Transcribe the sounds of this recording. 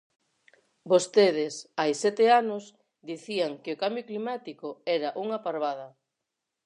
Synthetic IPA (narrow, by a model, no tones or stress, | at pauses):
bost̪eð̞ɪsajsɛt̪eanos | d̪iθiaŋkɪokambjoklimat̪ikoɛɾaʔuŋapaɾβaðɐ